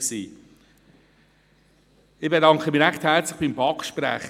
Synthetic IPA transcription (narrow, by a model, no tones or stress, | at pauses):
siː | ɪχb̥edɑŋkχəmɪːɾæχthæɾt͡slɪχb̥imbɑkʃpɾæ̰ːχ